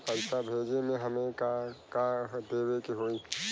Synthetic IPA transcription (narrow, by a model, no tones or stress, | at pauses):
pəɾsabʱeːd͡ʒemẽɦəmẽkakad̪eːwekeɦoːi